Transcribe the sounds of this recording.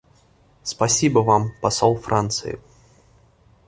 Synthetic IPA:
spɐsʲibəvampɐsolˠfrʔant̪sɨ̰jɪ̰

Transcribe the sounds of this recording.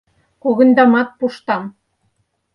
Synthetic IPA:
koɣə̆nd̪ɑmɑt̪̚puʃt̪ɑm

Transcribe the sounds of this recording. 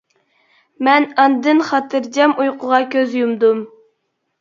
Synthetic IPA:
mɛnɑnd̪ɨnχɑt̪ʰɨɾd͡ʒɛmujqʰʊʁɑkʲøzjumd̪um

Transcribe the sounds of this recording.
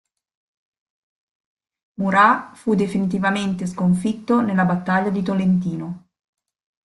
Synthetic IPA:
muɾafud̪efinit̪̬ivament̪eskoɱfit̪ːonelabat̪ːaʎːad̪it̪olent̪iːno

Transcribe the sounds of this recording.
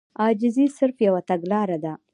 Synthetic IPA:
ɑd͡ʒɪzisɪɾfjawat̪aɡlɑɾad̪a

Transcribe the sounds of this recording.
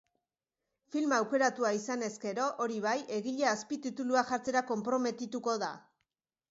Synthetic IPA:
filmawke̞ɾat̪uaisane̞ske̞ɾo̞ʔoɾiβ̞ajʔe̞ɣiʎeaspit̪it̪uluaʝaɾt͡se̞ɾako̞mpɾo̞me̞t̪it̪uko̞ða̰

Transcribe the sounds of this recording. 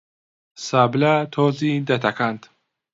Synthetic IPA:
sablat̪ʰɔzid̪at̪ʰakʰand̪

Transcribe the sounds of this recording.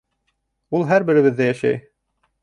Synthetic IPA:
ulˠɦæɾbɘ̆ɾɘ̆βɘ̆ðːæjæʃæ̰j

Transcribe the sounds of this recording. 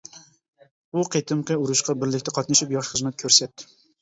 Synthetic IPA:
bʊqʰet̪ʰɨmqɨʊɾʊʃqɑbɪɾlɪkʲt̪ʰæqʰɑt̪̚nɑʃɪpjɒχʃχəzmæt̪̚kʲʰɵɾsɛt̪ːɪ̥

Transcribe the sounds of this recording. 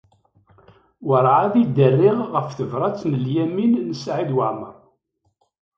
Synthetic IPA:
wəɾˤʕaðid̪ərːɪʁːəfθəvɾˤɑt͡sːnəljæminːəsʕid̪waʕma

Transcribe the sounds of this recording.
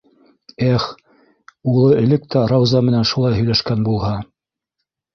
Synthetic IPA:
æχ | ulˠɤɘ̆lɘk̚t̪æɾɑwzɑmɘ̆nænʃulˠɑjɦɵ̆jlæʃkænbulˠhɑ

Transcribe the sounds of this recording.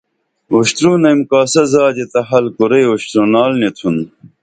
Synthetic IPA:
uɕt̪ɾunɐjmkaːsɐzaːd͡ʑet̪ɐɦɐlkuɾejuɕt̪ɾunaːlnet̪ʰun

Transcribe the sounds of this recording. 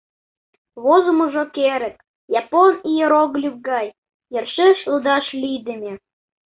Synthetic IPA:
βozumuʒokeɾə̆k̚ | jɑponijeɾoɣlʲyk̚ɡɑj | jərʃeʃlud̪ɑʃlʲid̪ĕmʲe

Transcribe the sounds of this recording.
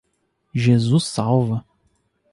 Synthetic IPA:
ʒezusːawvɐ

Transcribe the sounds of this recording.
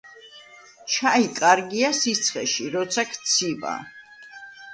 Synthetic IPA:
t͡ʃʰaikʼaɾɡiasit̪sʰχɛ̰ʃiɾɔt̪sʰakʰt̪sʰiva̰

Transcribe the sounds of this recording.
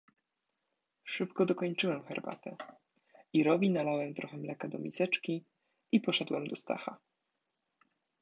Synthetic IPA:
ʂɘpkɔd̪ɔkɔɲt͡ʂɘwɛmxɛɾba̰t̪ɛ | iɾɔvʲinalawɛmt̪ɾɔxɛmlɛkad̪ɔmʲisɛt͡ʂkʲi | ipɔʂɛd̪wɛmd̪ɔst̪a̰xa

